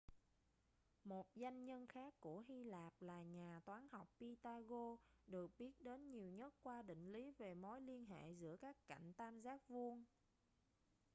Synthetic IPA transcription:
mo˨˩t̚za˧jŋ̟ɲə˧nxaː˦˥kːu˧˩əɦi˧laː˨˩p̚laː˨˩ɲaː˨˩t̪waː˨˦nha˨˩wk͡p̚pi˧t̪aː˧ɣo˧ɗɨ˨˩ək̚ɓi˦˥ət̚ɗe˨˦nɲi˨˩əwɲə˦˥t̚kwaː˧ɗḭ̈˧˨ŋ̟li˨˦ve˨˩mo˨˦jli˧ənɦḛ˧˨zɨ̰˧˥əkaː˦˥kːa̰˧˩jŋ̟t̪aː˧mzaː˦˥k̚vu˧ən

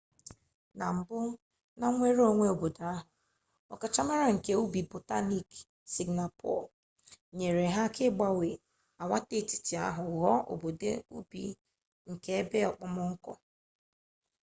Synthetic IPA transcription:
na˨m̩˨bʊ˦ | na˦ŋʷe˦ɾo˦˨ŋʷe˦o˨bo˨da˨˦ɦʊ˨ | ɔ̰˨ka˨t͡ʃa˦ma˦ɾa˨ŋ̩˨ke˦u˦bi˨bo˨ta˦ni˦k | si˨ɡna˨pʰɔ̰˦˨ | ɲe˨ɾe˨ɦa˦kʰɪ˦ɡ͡ba˦we˨ | a˨wa˦te˦˨ti̥˨ti˨a̰˦ɦʊ˨ɦɔ˦ʔo̰˨bo˨dḛ˦ṵ˦bḭ˨ | ŋ̩˨ke˦e˦be˦ɔ˨k͡pʊ˦mʊ˦ŋ̩˦kɔ̰˨

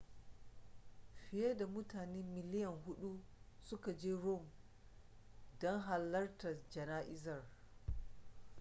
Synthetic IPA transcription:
ɸɪ˨je˦da˨mʊ˦taː˨neː˦mɪ˨lɪ˦jɐ˨ŋɦʊ˦ɗu˦ | sʊ˦ka˨d͡ʒeː˦ɾo˦˨m | dɔ˦ŋɦa˨lːɐ˦rta˨d͡ʒɐ˨naː˦ʔɪ˦zɐ˨r

